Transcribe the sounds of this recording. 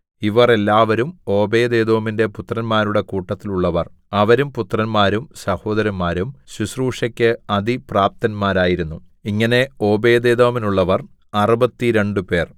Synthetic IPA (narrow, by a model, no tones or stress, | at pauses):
iʋɐre̞lːaːʋɐɾumo̞ːbe̞ːd̪e̞ːd̪oːminde̞put̪rɐnmaːɾuɽe̞kuːʈːɐt̪ːiluɭːɐʋɐr | ɐʋɐɾumput̪rɐnmaːɾumsɐho̞ːd̪ɐɾɐnmaːɾumɕuɕruːʂɐkʲːɨɐd̪ipraːp̚t̪ɐnmaːɾaːjiɾunːu | iŋːɐne̞o̞ːbe̞ːd̪eːd̪oːminuɭːɐʋɐr | ɐrubɐt̪ːiɾe̞ɳɖupe̞ːr